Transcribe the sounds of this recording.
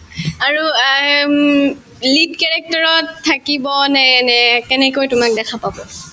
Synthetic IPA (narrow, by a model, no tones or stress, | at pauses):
aɹu | lidkɛɹɛk̚tɔɹɔtʰːakibɔnɛnɛkɛnɛkojtʊmak̚dɛkʰapabɔ